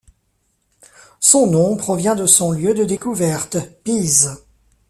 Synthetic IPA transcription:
sɔ̃nɔ̃pχɔvjɛ̃d̪əsɔ̃ljød̪əd̪ekuvɛʁt̪piz

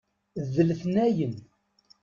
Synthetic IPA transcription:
ðəlθnæjən

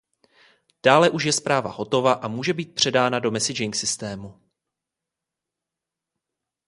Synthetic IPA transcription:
d̥aːlɛʔuʃjɛspɾaːva̰ho̞t̪o̞vaʔamuːʒɛbiːt̪̚pr̝̥ɛdaːnado̞mɛsɪd͡ʒɪŋksɪst̪ɛːmu

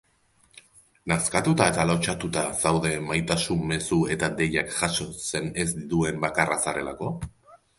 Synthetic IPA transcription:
naskat̪ut̪ae̞t̪alo̞t͡ʃat̪ut̪asawðe̞majt̪asumme̞sue̞t̪ad̪e̞jakʝaso̞se̞ne̞zd̪it̪ue̞mbakarasaɾe̞lako̞

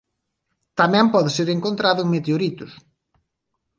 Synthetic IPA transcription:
t̪amɛ̃mpɔðɪseɾeŋkont̪ɾaðʊŋmet̪eoɾit̪ʊs

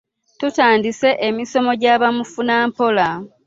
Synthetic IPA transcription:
tutaːndise̞ʔemiso̞mo̞ɟaːβamufunaːmpo̞la

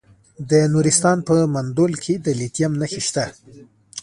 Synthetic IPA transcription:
d̪ənuɾist̪ɑnpəmand̪olkʰed̪əlit̪jamnaxeʃt̪a

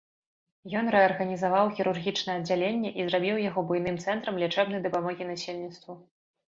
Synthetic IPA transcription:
jɔnɾɛɐrɣɐnʲizavawxʲiɾurɣʲit͡ʂnɛɛɐd̪d͡zʲːalʲenʲːɛʔizɾabʲiwjaɣɔbujn̪ɨmt̪sɛnt̪ɾɐmlʲɛt͡ʂɛbnɐjd̪ɐpamɔɣʲinasʲelʲnʲit̪st̪vu

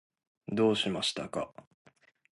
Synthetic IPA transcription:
d̪o̞ːɕimaɕi̥t̪aka

